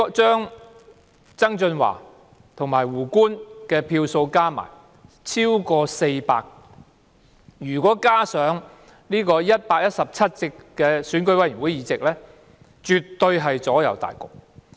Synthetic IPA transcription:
t͡ʃœː˥ŋ | t͡sɐ˥ŋt͡ʃɵ˧nwa̰ː˨˩ | t̪ʰʊ˨˩ŋmaː˨˩jwuː˨˩kuː˥nkɛː˧pʰiː˧wso˧wkaː˥ma̰ː˨˩j | t͡sʰiː˥wkɔː˧se˧jpa̰ː˧k̚ | jyː˨˩kɔː˨˥kaː˥sœː˨˥ŋ | niː˥kɔː˧jɐ˥t̚paː˧k̚jɐ˥t̚sɐ˨p̚t͡sʰɐ˥t̚t͡sɪ˧kkːɛː˧syː˨˥nkɵ˧ɥwɐ˨˥jy˨˩nwuː˨˥jiː˨˧t͡sɪ˨k̚lɛː˥ | t͡ʃy˨t̪ːɵ˧ɥɦɐ˨jt͡sɔː˨˥jɐ̰˨˩wt̪a̰ː˨˩jkʊ̰˨k̚

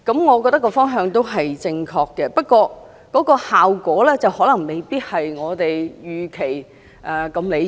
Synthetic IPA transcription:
kɐ˨˥mŋɔː˨˧k̬ɔ˧t̪ɐ˥kːɔː˧fɔː˥ŋɦœː˧ŋt̪o˥wɦɐ˨jt͡sɪ˧ŋkʰɔː˧kːɛː˧pɐ˥t̚kʷɔː˧ | kɔː˨˥kɔː˧haː˨wkɔː˨˥lɛː˥t͡sɐ˨whɔː˨˥lɐ˨˩ŋme˨jpiː˥t̚hɐ˨jŋɔː˨˧t̪e˨jjyː˨kʰe˨˩j | ʔɛː˨˩kɐ˧mle˨˧

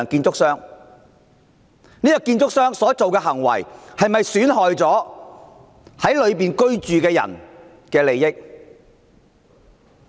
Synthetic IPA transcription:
ŋkiː˧nt͡sʊ˥ksœː˥ŋ | niː˥jkiː˧nt͡sʊ˥k̚sœː˥ŋsɔː˨˥t͡so˨wkɛː˧ɦɐ˨˩ŋwɐ̰˨˩jhɐ˨jmɐ˨jsyː˨˥nɦɔː˨jt͡sɔː˨˥ | hɐ˨˥jlɵ˨˧ɥp̬iː˨nkɵ˥ɥt͡ʃyː˨kɛː˧jɐ̰˨˩n | kɛː˧le˨jːɪ˥k̚

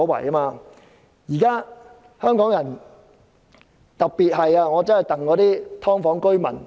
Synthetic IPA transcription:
wɐ̰˨˩ja˥maː˧ | jiː˨˩kaː˥ | hœː˥ŋkɔː˨˥ŋjɐ˨˩n | t̪ɐ˨k̚piː˨t̚ɦɐ˨jaː˧ŋɔː˨˧t͡sɐ˥nhɐ˨˩jt̪ɐ˨ŋkɔː˨˧t̪iː˥t̪ʰɔː˥ŋfɔː˨˥ŋkɵ˥ɥmɐ̰˨˩n

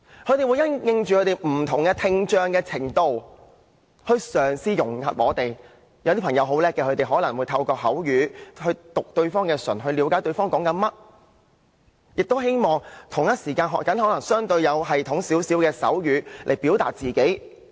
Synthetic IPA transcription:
kʰɵ˨˧˥t̪e˨jwuː˨˧jɐ˥nŋɪ˧ŋt͡ʃyː˨kʰɵ˨˧˥t̪e˨˩jm̩˨˩t̪ʰʊ˨˩ŋkɛ˧t̪ʰɪ˧ŋt͡ʃœː˧ŋkɛː˧t͡sʰɪ˨˩ŋt̪o˧w | hɵ˧ɥsœː˨˩ŋsiː˧jʊ˨˩ŋhɐ̰˨p̚ŋɔː˨˧t̪e˨j | jwt̪i˥pʰŋjɐ˨˧wɦo˨˧˥wlɛː˥kːɛː˧kʰɵ˨˧t̪e˨ɦɔː˨˥lɐ˨˩ŋwu˨˧˥t̪ʰɐ˧wkɔː˧hɐ˨˥wjyː˨˧hɵ˧ɥt̪ʊ˨k̚t̪ɵ˧ɥfɔː˥ŋkɛː˧sɵ̰˨˩nɦɵ˧li˨˧˥wkaː˨˥jt̪ɵ˧ɥfɔː˥ŋkɔː˨˥ŋkɐ˧nmɐ˥t̚ | jɪ˨k̚t̪o˥wɦe˥jmɔː˨ŋt̪ʰʊ˨˩ŋjɐ˥t̚siː˨˩kaː˧nɦɔ̰˨kɐ˨˥nɦɔː˨˥lɐ˨˩ŋsœː˥ŋt̪ɵ˧ɥjɐ˨˧wɦɐ˨jt̪ʰʊ˨˥ŋsiː˨˥wsi˨˥wkɛː˧sɐ̰˨˥wjyː˨˧lʔe˨˩jpiː˨˥wt̪a̰ː˨t̚t͡siː˨ke˨˥j

